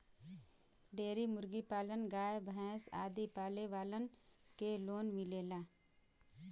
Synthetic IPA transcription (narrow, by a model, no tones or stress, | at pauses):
ɖeːɾimʊɾɡipaːlənɡaːjebʱɛ̃ːsa̰ːd̪ipaːleʋaːlənkeloːnmɪleːlaː